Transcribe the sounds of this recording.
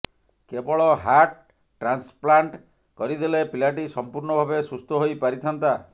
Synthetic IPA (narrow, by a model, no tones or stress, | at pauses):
kebɔɭɔɦaʈ | ʈɾansplaɳʈ | kɔɾid̪elepilaʈ̬isɔmpuɾɳɔbʱabesust̪ʰɔɦojpaɾit̪ʰɔnt̪a